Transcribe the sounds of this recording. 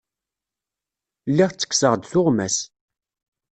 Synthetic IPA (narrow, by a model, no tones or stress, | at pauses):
lːiʁt͡sːə̥kːsəʁd̪θʊʁmæs